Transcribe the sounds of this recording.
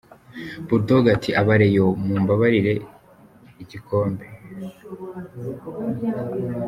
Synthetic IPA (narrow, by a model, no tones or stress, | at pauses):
buɾdoɡatʰiʔaβaɾe̞jomuːmbaβaɾiɾe̞ | iɟikʰo̞ːmbe